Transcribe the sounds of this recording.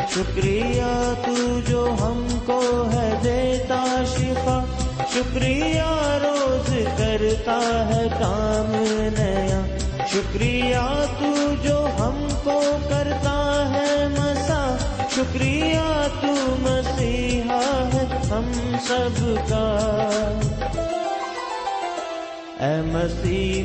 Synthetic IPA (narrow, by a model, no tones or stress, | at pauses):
ʃʊkɾijat̪ud͡ʒoːɦɐm | koɦɛd̪eːt̪aʃɪfaː | ʃʊkɾijaɾoːzkɐɾt̪aɦɛkaːmnɐjaː | ʃʊkɾijat̪ud͡ʒoːɦɐm | kokɐɾt̪aɦɛmɐsaː | ʃʊkɾijaːt̪umɐsiːɦaɦɛɦɐmsɐbka | ɛːmɐsiː